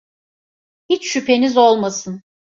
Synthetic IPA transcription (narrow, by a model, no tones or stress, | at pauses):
hit͡ʃʃypʰe̞nizo̞lˠmasɯn